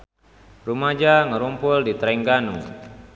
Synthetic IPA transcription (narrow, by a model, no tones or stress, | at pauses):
rumad͡ʒaŋəɾumpʊldit̪ɾɛŋɡanu